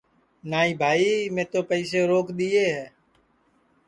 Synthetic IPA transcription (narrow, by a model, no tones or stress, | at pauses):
naːiːbʱaːiːmẽːt̪oːpəiːseːɾoːkɗ̪iːeːɦɛː